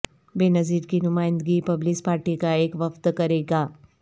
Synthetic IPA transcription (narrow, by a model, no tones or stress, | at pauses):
benəziːɾkinumaːɪ̃nd̪əɡipɐblispaːɾʈikaeːkʋəft̪kəɾeɡa